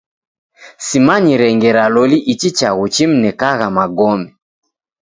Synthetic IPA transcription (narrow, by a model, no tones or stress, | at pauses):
simaɲiɾɛŋɡɛɾalɔliʔit͡ʃit͡ʃaɣut͡ʃim̩nɛkaɣamaɡɔmɛ